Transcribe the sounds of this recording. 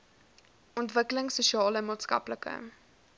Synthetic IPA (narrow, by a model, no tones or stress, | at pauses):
ɔntvəkləŋsuʃiɑːləmɑːtskɐ̰pləkə̰